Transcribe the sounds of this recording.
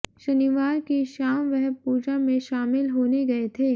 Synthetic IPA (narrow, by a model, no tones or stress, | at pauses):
ʃɐniʋaːɾkeʃaːmʋɛɦpuːd͡ʒamẽʃaːmɪlɦoːneɡɐet̪ʰeː